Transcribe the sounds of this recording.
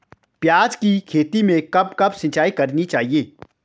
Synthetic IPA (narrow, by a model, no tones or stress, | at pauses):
pjaːd͡ʒkikʰeːt̪imẽkɐb̚kɐbsɪ̃t͡ʃaːikɐɾnit͡ʃaːɦieː